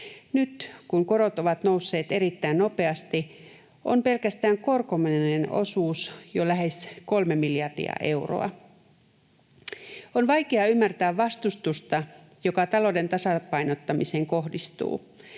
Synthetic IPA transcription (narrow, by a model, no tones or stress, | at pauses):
nyt̪kuŋko̞ɾo̞t̪o̞ʋɑt̪no̞wsːe̞ːt̪e̞ɾit̪ːæinno̞pe̞ɑst̪i | ʔo̞̰mpe̞lkæst̪æːŋko̞rkomineno̞̰suːsjolæɦe̞sko̞lmemiljɑrdḭɑ̰ʔe̞wro̰ɑ̰ | onʋɑjk̟eɑymːært̪æːʋʋːɑst̪ust̪ust̪ɑ | jo̞kɑt̪ɑlo̞de̞nt̪ɑsɑpɑjnot̪ːɑmise̞ːŋko̞hdist̪ṵː